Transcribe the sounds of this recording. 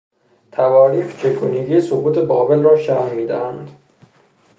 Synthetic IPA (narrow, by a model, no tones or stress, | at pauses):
t̪ʰævɒːɾiːft͡ʃʰekʰuniɡiːsobuːt̪ʰebɒːbelrɒːʃæhmiːd̪æ̰hænd̪